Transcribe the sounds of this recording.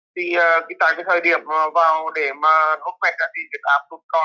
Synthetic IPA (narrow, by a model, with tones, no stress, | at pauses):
t̪ʰi˨˩ʔəː˨˩ki˧˦t̪a̰ː˧˨jveː˨˧˦jt̪ʰəː˨˩jɗi˨˧˩əp̚ːvaː˨˩wɗe˧˩maː˨˩t̪u˦˥k̚ma˨˧˩jk̚zaː˧˩t̪i˧˩nvi˨˩k̚ʔaː˨˧˩p̚tu˧˥˦ŋ͡m̚kɔ˧˩